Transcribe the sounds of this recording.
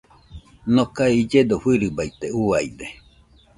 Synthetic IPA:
nokaeid͡ʒed̪oɸɨɾɨbajt̪euajd̪e

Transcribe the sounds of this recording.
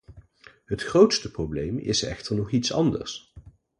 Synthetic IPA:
ɦətχrowtstəprowblejmɪ̰sɛ̰χtəɹnɔχitsɑ̰ndə̰ɹs

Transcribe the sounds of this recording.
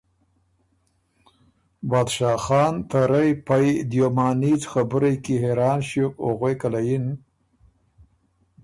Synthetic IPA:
bɑːd̪ʃɑːxɑːnt̪aɾajpajd̪jomɑːnit͡sxabuɾajkiɦeɾɑːnʃukoɣwekalajin

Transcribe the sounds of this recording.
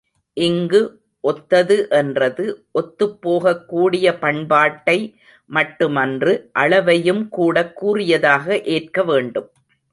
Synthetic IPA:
ʔɪŋɡɯ | ʔɔt̪ːɐðɯʔɛndrɐðɯʔɔt̪ːɯpːoːɣɐkːuːɽɪjɐpɐɳbaːʈːɐɪ | mɐʈːɯmɐndrɯʔɐɻɐʋɐjɯmkuːɽɐkːuːrɪjɐðaːɣɐʔeːrkɐʋeːɳɖɯm

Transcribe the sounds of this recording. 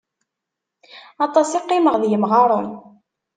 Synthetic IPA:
ɑt̪ˤɑsiqːɪməʁðjəmʁɑɾˤon

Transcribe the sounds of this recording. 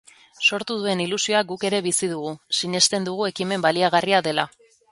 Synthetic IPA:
so̞ɾt̪uð̞ue̞nilusio̞ak̚ɡuke̞ɾe̞βisiðuɣusiɲe̞st̪e̞nd̪uɣ̞ue̞kime̞mbaliaɣ̞ariaðe̞la

